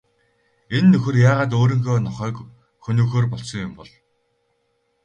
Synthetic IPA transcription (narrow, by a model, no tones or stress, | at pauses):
enːɵxɘ̆rjaːʁaːt̪̬oːɾĭːŋxoːnɔχœːk | xɵnɵːxoːrpɔɮsɞ̆ŋjʊmpɔɮ